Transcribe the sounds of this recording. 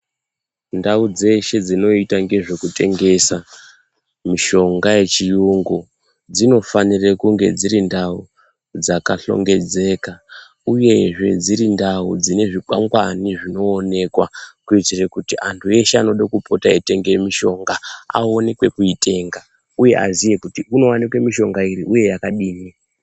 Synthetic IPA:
ndaud͡ze̞ʃe̞d͡zino̞itaŋɡe̞ʐe̞kute̞ŋɡe̞sa | miʃo̞ŋɡaje̞t͡ʃijuŋɡo | d͡zino̞fanirekuŋɡe̞̰d͡ziɾindau | d͡zakaɬo̞̰ŋɡe̞d͡ze̞ka | uje̞ʐe̞d͡ziɾindaud͡zine̞ʐikwa̰ŋɡwaniʐino̞ːne̞kwa̰kuitirekutiʔantʰue̞ʃeano̞ɗakupo̞taete̞ŋɡemiʃo̞ŋɡaa̰o̞nekwe̞kuite̞ːŋɡa | uje̞̰ʔa̰zije̞kutiuno̞wanekwe̞miʃo̞ŋɡaiɾiʔuje̞jakaɗiːni

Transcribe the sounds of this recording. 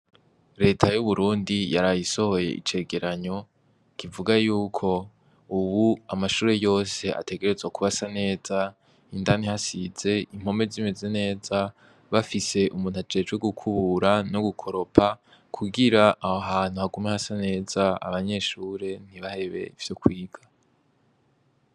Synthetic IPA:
ɾe̞ːtʰajuβuɾuːndijaɾajiso̞ho̞je̞̰ʔḭt͡ʃe̞ːɡe̞ɾaɲo̞ | kʰivuɡajuːkʰo̞ | uβuamaʃuːɾe̞jo̞ːse̞a̰tʰe̞ɡe̞ɾe̞zwakuβasane̞ːz̥a | indanihasiz̥e̞im̥ho̞me̞zime̞ze̞ne̞ːza | βafise̞ʔumuːn̥uad͡ʒe̞ːd͡ʒɡweɡukʰuβuɾano̞ɡukʰo̞ɾo̞pʰa | kʰuɡiɾaʔaɦaːn̥uhaɡumehasane̞ːzaa̰βaɲe̞ʃuːɾe̞n̥iβahe̞βe̞̰iv̥jo̞kwiːɡ̥a

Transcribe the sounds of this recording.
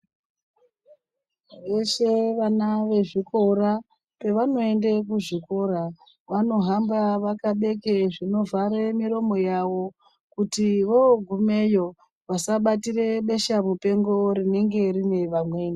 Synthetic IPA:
ʋe̞ʃe̞ʋanaʋe̞ʐiko̞ɾa | pe̞ʋano̞e̞nde̞kuʐiko̞ɾa | ʋano̞ɦambaʋakaɓe̞keʐino̞vaɾemiɾo̞mo̞jawo̞ | kutiʋo̞ɡʱume̞jo̞ | ʋasaɓatire̞ɓe̞ʃamupe̞ŋɡo̞ɾine̞ŋɡe̞rine̞ʋamwe̞ːna

